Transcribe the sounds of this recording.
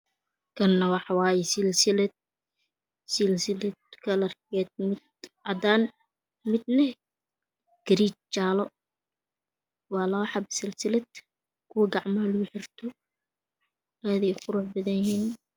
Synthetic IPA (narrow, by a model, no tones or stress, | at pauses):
kʰɐnːɐwɑħɑwɑːjɛsɪlsɪlɛd̪̚ | sɪlsɪlɛd̪kʰɐlɐrɡɛːd̪̚mɪd̪ɐd̪aːn | mɪd̪̚nɛh | ɡ̥ɐɾiːt͡ʃt͡ʃaːlɔ | wɑːlɔːħɑbsɪlsɪlɛd̪̚ | kʰʊwɐɡɑʕmɐhɐlʊɡʊħɪrt̪ʰɔ | aːðiqʊɾuːħbɐðɐnjɪhiːn